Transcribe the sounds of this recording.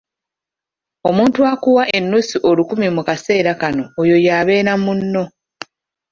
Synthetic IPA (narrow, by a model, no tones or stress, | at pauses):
o̞muːntuakuwaʔe̞nːusiʔo̞lukumimukase̞ːɾakano̞ːjo̞jaːβe̞ːɾamunːo̞